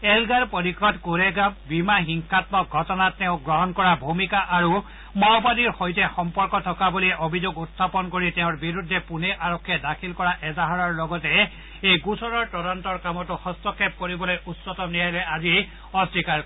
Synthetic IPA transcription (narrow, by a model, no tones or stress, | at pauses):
elɡaɾpɔɾikʰɔtkuɾeɡabimaɦiŋkʰat̪mɔk̚ɡʱɔtɔnatːeʊ̃ɡɹɔɦɔnkɔɹabʱumikaʔaɹu | mɔwbadiɹxojtexɔmpɔɹkɔtʰɔkabuliʔobʱizoɡutːʰapɔnkoɹiteʊ̃ɹbiɾud̪ʱːepuneʔaɾɔkʰːjedakʰilkɔɹaʔɛzaɦaɹɔɹlɔɡɔte | ejɡusʰɔɾɔɹtɔɾɔntɔɹkamɔtuxɔstɔkʰːep̚koɹibɔlojutsɔtɔnijajleʔazi | ɔstikaɹ